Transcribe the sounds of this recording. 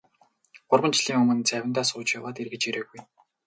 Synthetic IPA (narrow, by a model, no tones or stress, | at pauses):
ɢ̥ʊrʁə̆nt͡ɕɮ̥iːŋɵmɵ̆nt͡sæwʲɪ̆nt̪aːsʊːt͡ɕjawaːt̪erɣɡɘ̆t͡ɕeɾeːɣuj